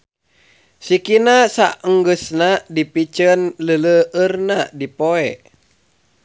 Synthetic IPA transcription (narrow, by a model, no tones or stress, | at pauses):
sikinasaəŋɡəsnadipit͡ʃənlələərnadipoɛ